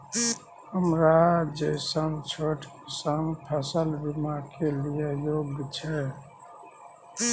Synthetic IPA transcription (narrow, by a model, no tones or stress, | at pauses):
həmɾad͡ʒəɪsəmt͡ʃʰoʈkesəmpʰəsəlbimakelijejoːɡt͡ʃʰɛ